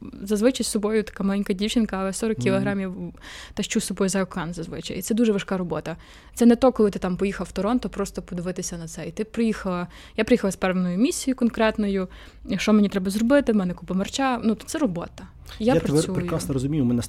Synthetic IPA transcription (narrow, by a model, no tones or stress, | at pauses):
zɐzʋɪt͡ʃɐjsɔbɔjʊt̪ɐ̥kamɐlʲˠɛnʲkɐdʲiwt͡ʃɪnkɐːlˠɛsɔɾɔkʲːilˠɔɦɾɑmʲiwt̪ɐʃt͡ʃusɔbɔjʊzɐɔkanzɐzʋɪ̰t͡ʃɐ̰jt̪sɛd̪uʒɛʋɐʃkaɾɔbɔt̪ɐ | t̪sɛnɛt̪ɔkɔlˠɪt̪ɪ̥t̪ampɔjixɐlˠwt̪ɔɾɔnt̪ɔpɾɔst̪ɔpɔd̪ɪʋɪt̪ɪsʲɐnɐt̪sɛit̪ɪpɾɪjixɐlˠɐ | japɾeɪjixɐlˠɐspɛɾʋenɔjʊmʲisʲijʊkɔnkɾɛt̪nɔjʊ | ʃɔmnʲit̪ɾɛbɐzrɔbɪt̪ɪmɛnɛkupɔmɐrt͡ʃanut̪t̪sɛɾɔbɔt̪ɐ | japɾɐsʲuɾjʊkɾasnɔɾɔzʊmʲijʊmɛnɛ